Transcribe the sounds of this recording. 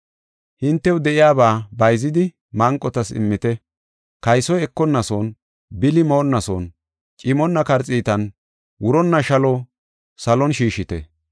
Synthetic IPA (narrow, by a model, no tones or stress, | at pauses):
hɪnt̪ːɛwd̪ɛʔɪjaːbaːbɐjzɪd̪ɪ | mɐŋkʼːɔt̪ɐsɪ̰mːɪt̪ɛ | kɐjsɔjɛkːɔnːɐsɔn | bɪlɪmoːnːɐsɔn | t͡ʃʼɪmɔnːɐkɐɾt͡sʼiːt̪ɐn | wʊɾɔnːɐʃɐlɔ | sɐlɔnʃiːʃɪt̪ɛ̰